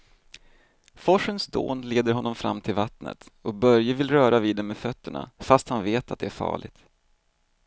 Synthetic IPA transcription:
fɔʂənsd̪o̰ːnleːd̪əɾɦɔnːɔmfɾa̰mːt̪ʰɪlvat̪nə̰t̪ɔk̚bœɾjəvɪlɾœːɾaviːd̪ɛmːɛfœt̪ːəɳa̰fast̪hanveːt̪at̪̚d̪ɛæɾfɑ̰ːɭɪɡ̚t̪

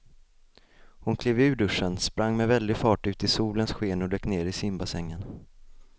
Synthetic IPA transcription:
hʊnkʰliːvʉ̟ːɖɵʂənspɾaŋːmɛvɛld̪ɪfɑːʈʉ̟ːt̪ɪsuːlənsɧeːnɔd̪øːkneːɾɪsɪmbasɛŋːən

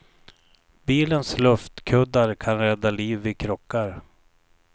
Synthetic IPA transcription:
biːlənslɵft̪kʰɵd̪ːaɾkʰanɾɛd̪ːaliːvɪkʰɾɔkːaɾ

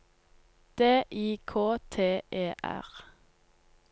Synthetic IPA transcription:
d̪̥eːʔiːkʰoːt̪ʰeːeːʔæ̰ʁ

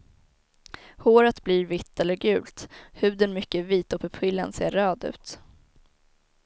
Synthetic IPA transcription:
hoːɾət̪bliːɾvɪt̪ːɛlːəɾɡʉ̟ːlt̪hʉ̟ːd̪ənmʏkːəviːt̪ɔpʰœpʰɪlːənsḛːɾːœːd̪ʉ̟ːt̪

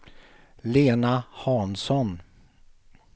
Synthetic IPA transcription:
leːnahɑːnsɔn

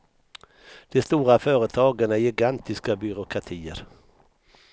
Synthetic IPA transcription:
d̪̥ɛst̪uːɾafœːɾət̪ʰɑːɡənæjɪɡant̪ɪskabʏɾʊkʰat̪ʰiːəɾ

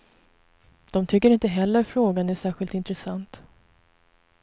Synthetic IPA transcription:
d̪̥ɔmt̪ʰʏkːəɾɪnt̪əɦɛlːəɾfɾoːɡanæʂæːɧɪlt̪ɪnt̪ɾɛsant̪

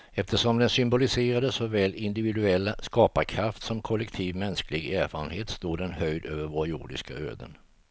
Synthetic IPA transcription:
ɛft̪ʰəʂɔmd̪ɛnsʏmbʊlɪseːɾad̪əsɔvɛːlɪnd̪ɪvɪd̪ɵɛlːaskɑːpaɾkʰɾaft̪sɔmkʰɔlːɛkt̪ʰiːvmɛnsklɪɡæːɾfɑːɾənheːt̪st̪uːd̪ɛnhœjd̪øːvəɾvoɾjʊ̰ɖɪ̰skaø̰ːd̪ə̰n

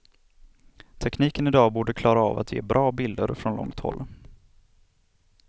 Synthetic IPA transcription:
t̪ʰɛkniːkənɪd̪ɑːbuːɖəkʰlɑːɾaa̰ːva̰t̪jḛːbɾʔɑːbɪld̪əɾfɾɔnlɔ̰ŋt̪hɔ̰lː

